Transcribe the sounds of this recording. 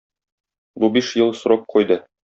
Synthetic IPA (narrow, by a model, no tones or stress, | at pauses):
bubiʃjɤlˠsɾop̚qʰɒjd̪ɤ